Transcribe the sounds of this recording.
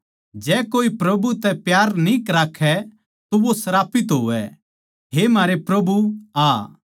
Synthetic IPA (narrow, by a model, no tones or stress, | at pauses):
d͡ʒɛːkoːipɾɐbut̪ɛpjaːɾnĩkɾaːkʰːɛ | t̪oʋosɐɾaːpɪt̪ɦo̰ːʋɛ̰ | ɦemaːɾepɾɐbuaː